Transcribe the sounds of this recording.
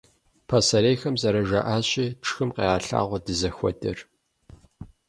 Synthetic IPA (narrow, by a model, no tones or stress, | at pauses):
pʰasɐɾeːxɐmzɐɾɐʒa̰ʔaːɕʼiːʈ͡ʂʰxɨmqeːaːɬa̰ːʁʷɔdɨzɐxʷɔ̰dɐr